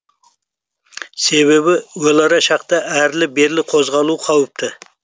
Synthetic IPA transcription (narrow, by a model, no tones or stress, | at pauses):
se̞βe̞βɪwolˠɑɾɑʃɑqt̪ɑʔæɾlɪbe̞ɾlɪqʰo̞zʁɑlˠuqʰɑwəp̚t̪ɪ